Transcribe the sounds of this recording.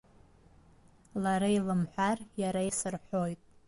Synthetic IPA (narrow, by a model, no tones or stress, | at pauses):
laɾailɨmħʷᶣarjaɾaisɨrħʷo̞jtʼ